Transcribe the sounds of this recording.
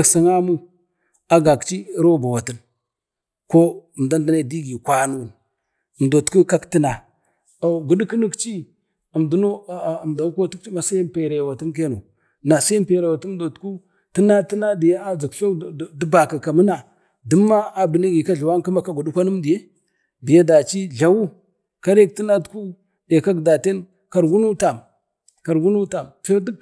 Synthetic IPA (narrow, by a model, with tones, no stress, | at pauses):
a˨ksa˨ŋa˦mu˦ | a˦ɡa˨kt͡ʃi˦ɾo˦˨ba˨wa˨ti˦n | ko˦˨m˨da˦ndə˨na˦˨di˦ɡi˨kʷa˦nu˦˨ | m˨do˨tku˦ka˦kti˦na˨ | ɡu˨ɗi˦ku˦nə˦kt͡ʃi˦ | ə˨mdu˨˦no˦˨mda˨n˦ko˦tu˦k̚t͡ʃi˦ma˨sa˦m˦pe˨ɾa˨jwa˨ti˦nk̬e˦no˨ | na˨sa˦mpe˨ɾe˨wa˨tu˦m˦do˨tku˦ | tə˦na˦ti˦na˦di˨ja˦a˦d͡zi˨kɬo˦˨də˦ba˨ka˨ka˨mə˦na˨ | du˦mːa˦a˨bi˨ni˦ɡi˨ka˦ɮwa˦ŋ˦ka˦ma˨ka˦ɡu˨du˦kʷa˦nə˦mdi˨je˦ | bi˨ja˦da˨t͡ʃi˦ɮa˨wu˦ | ka˦ɾe˦k̚ti˦na˦tku˦ | da˨ka˦ɡda˨te˦n | ka˨ɾɡu˦nu˦ta˨m | ka˨ɾɡu˦nu˦ta˨mfi˦ɾd